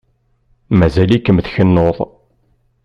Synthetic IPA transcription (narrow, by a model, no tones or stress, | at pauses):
mæzælikːəmθçənːoðˤ